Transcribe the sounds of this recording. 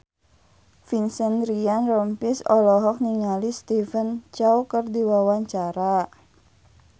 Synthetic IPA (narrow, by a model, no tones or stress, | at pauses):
finsənrianrɔmpisɔlɔɦɔk̚niŋalist̪ifənt͡ʃawkərdiwawaɲt͡ʃaɾa